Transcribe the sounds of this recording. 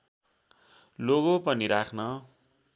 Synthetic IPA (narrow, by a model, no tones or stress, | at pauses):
loɣopʌniɾakʰnʌ